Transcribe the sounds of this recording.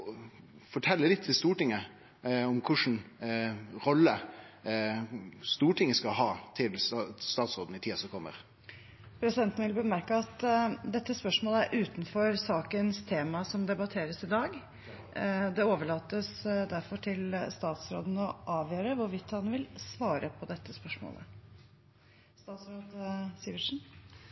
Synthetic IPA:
fɔʈʰɛlːəlɪt̪ʰːɪlst̪uːʈɪŋːə | ɔmkʰʊʂn̩ | ɾɔlːə | st̪uːʈʰɪŋːəskɑhɑːt̪ʰɪlst̪ɑːt̪sɾoːd̪n̩ɪt̪ʰiːɑsɔkʰɔmːə̰ɾ | pʰɾɛsɪd̪ɛnt̪nʋɪlbəmæɾkɑɑt̪d̪ɛt̪ːəspœʂmoːləæɾʔʉːt̪nfɔɾsɑːkənst̪ʰeːmɑsɔmd̪ɛbɑt̪ʰeːɾəsɪd̪ɑːɡ | d̪ɛoːʋəɭɑːt̪ːəsd̪æɾfɔʈʰɪlst̪ɑːt̪sɾo̰ːd̪n̩ɔʔɑːʋjøːɾəʋʊɾʋɪt̪ːhɑnʋɪlsʋɑːɾəpʰɔd̪ɛt̪ʰːəspœʂmo̰ːlʔə̰ | st̪ɑːt̪sɾoːd̪siːʋəʂn̩

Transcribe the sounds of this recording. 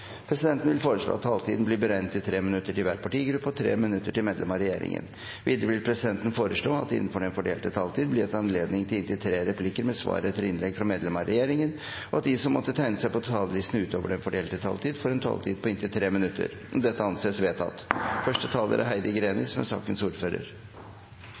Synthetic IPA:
pʰɾɛsɪd̪ɛnt̪n̩ʋɪlfoːɾəʂɭo̰ːɑt̪ːʰɑːlt̪ʰiːd̪n̩bliːbəɾæɪnt̪ɪt̪ʰɾeːmɪnʉt̪ːəʈɪlʋæːɾpʰɑʈiːɡɾʉpːɔt̪ʰɾḛːmɪnʉt̪ːəʈɪlmeːd̪lɛ̰mɑɾɛjḛːɾɪ̰ŋə̰n | ʋiːd̪əɾəʋɪlpʰɾɛsɪd̪ɛnt̪n̩foːɾəʂɭoːɑt̪̚ɪ̰nːənfɔɖɛnfɔɖeːlt̪ət̪ʰɑlt̪ʰiːd̪̚blɪɛt̪ɑnleːd̪nɪŋt̪ʰɪlɪnt̪ɪt̪ʰɾeːɾɛpʰlɪkəɾmɛsʋɑ̰ːɾəət̪ʰɪlɪnlɛɡfɾɑmeːd̪lɛmɑɾɛjeːɾɪŋən | ɔɑt̪̚d̪ɪsɔmːɔt̪ːət̪ʰæɪnəsæɪpɔt̪ʰɑːləlɪst̪nəʉːt̪oːʋəɖɛnfɔɖeːlt̪ət̪ʰɑ̰lt̪iːd̪fɔɾɛnt̪ʰɑ̰lt̪ʰiːd̪̚pʰɔɪnt̪ɪlt̪ʰɾeːmɪnʉt̪ʰːə̰ɾ | ɔmd̪ɛt̪ːəɑnseːsʋeːt̪ʰɑ̰t̪ːfœʂʈət̪ʰɑːlə̰ɾʔə̰ɦæɪd̪əɡɾeːnɪsmɛ̰sɑ̰ːkənsuːɾføːɾə̰ɾ

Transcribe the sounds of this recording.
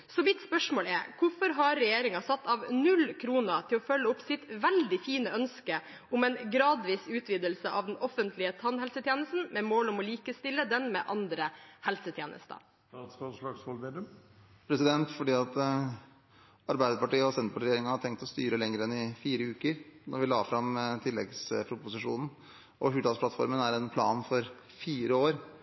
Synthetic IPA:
sɔmɪt̪spœʂmoːlɛɾkʰʊɾfɔɾɦɑɾːɛjeːɾɪŋɑsɑt̪ːɑʋnʉlkʰɾuːnət̪ʰɪlɔfœlːəʊpsɪt̪ʋɛld̪ɪfiːnəœnskə | ʊmɛnɡɾɑːd̪ʋiːsʉːt̪ʰʋiːd̪əlsəʔɑʋd̪ɛnɔfənt̪ʰlɪət̪ʰɑnhɛlsət̪ʰjeːnəst̪n̩mɛmoːlɔmɔliːkəst̪ɪlːəd̪ɛnmɛʔɑnd̪ɾəhɛlsət̪ʰjeːnʔə̰st̪ə̰ | kɑlɑɡsɔlmeːd̪əm | pʰɾɛsɪd̪ɛnt̪fɔɖiːɑt̪ | ɑɾbæɪd̪əpɑʈiːəɔsɛnt̪pɑʈ̪ɾjeːɾɪŋəhɑʈʰɛŋk̚t̪ɔst̪yːɾəlɛŋɾəɛnɪfiːɾəʉːkəɾnɔɾʋɪlɑ̰ːfɾɑmt̪ʰɪlːɛ̰ɡspʰɾʊpʊsɪʂṵːnn̩ | ʔɔɦʉːʈ̪ɑlsplɑt̪fɔ̰ɾmənæɾɛnpʰlɑ̰ːnfɔɾ | fiːɾəoːɾ

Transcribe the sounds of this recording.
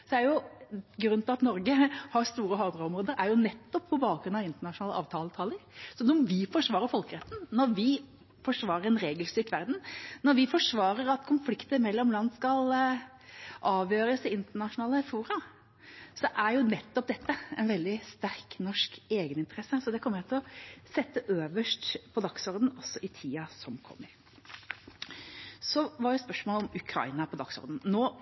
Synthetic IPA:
sɔd̪ɛæɾjʊɡɾʉnt̪ɪʋɑt̪nɔɾɡəhɑɾst̪uːɾəɦɑd̪ɾɑɔmɾoːd̪əɾʔæɾjʊnɛt̪ːɔpʰːɔbɑːɡɾʉnɑʋɪnt̪əɳɑʂʊnɑːləʔɑ̰ːʋt̪ʰɑːlət̪ʰɑːləɾsɔnːɔʋɪfɔʂʋɑːɾəɾfɔlkəɾɛt̪ːn̩nɔɾʋɪ | fɔʂʋɑːɾəɾɛnɾeːɡəlst̪yːʈʋæɾd̪n̩nɔɾʋɪfɔʂʋɑːɾəɾɑt̪kʰʊnflɪkt̪əɾmɛlːɔmlɑnd̪skɑl | ʔɑːʋjøːɾəsɪɪnt̪əɳɑʂʊnɑːləfuːɾɑ | sɔʔæɾjʊnɛt̪ːɔp̚d̪ɛt̪ːəɛ̰ɪnʋɛld̪ɪst̪æɾknɔʂkeːɡənɪnt̪əɾɛsəsɔd̪ɛkʰɔmːəɾjæɪt̪ʰɪlɔsɛt̪ːəʔøːʋəʂʈpʰɔd̪ɑksɔɾd̪n̩ɔsːɔʔɪt̪ʰiːɑsɔmkʰɔ̰mːəɾ | sɔʋɑɾjʊspœʂmoːlɔmʉkʰɾɑ̰ɪnɑpʰɔd̪ɑksɔ̰ɾd̪n̩noː

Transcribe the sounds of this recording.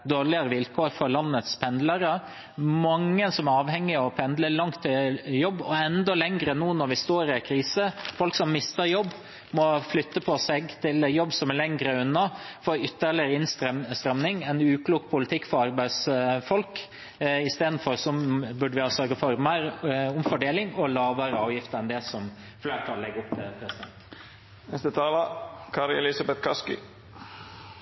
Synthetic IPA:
d̪oːɾɭɪəɾəʋɪlkʰoːɾfɔɾɭɑnːət̪spʰɛnd̪ləɾə | mɑŋːəsɔmæɾɑːʋhɛŋːɪɔpʰɛnd̪ləɭɑŋt̪ʰːɪjɔbːɔɛnd̪ɔlɛŋɾənuːnɔɾʋɪst̪oːɾɪkʰɾiːsəfɔlksɔmmɪst̪əɾjɔbː | mɔflʏt̪ːəpʰɔsɛɡt̪ʰɪljɔbːsɔmæɾɭɛŋɾəʉnːɑfɔːɾʏt̪ːəɭɪɾɪnsst̪ɾɛmnɪŋɛnʉːkʰluːkpʰʊlɪt̪ʰɪkːfɔɾɑɾbæɪd̪sfɔlk | ɪst̪eːd̪n̩fɔɾsɔbʉɖəʋɪhɑsœɾɡəfɔɾmæɪɾʊmfɔɖeːlɪŋɔlɑːʋəɾəɑːʋjɪft̪əɾɛnd̪ɛsɔm | fleːɾt̪ʰɑlːɛɡʊpːt̪ʰɪlpʰɾɛsɪd̪ɛnt̪ | nɛst̪ət̪ʰɑːləkʰɑɾɪɛlɪsɑbɛt̪kʰɑskɪ̰

